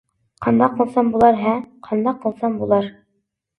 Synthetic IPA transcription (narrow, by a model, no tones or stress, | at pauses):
qɑnd̪ɑqɤ̆lˠsɑmbulˠɑɾɦæmqʰɑnd̪ɑqɤ̆lˠsɑmbulˠɑɾ